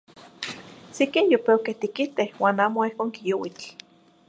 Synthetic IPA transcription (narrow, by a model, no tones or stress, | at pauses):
sekinjopewkeht̪ikit̪ehwaːnaːmoihkoːŋkijowit͡ɬ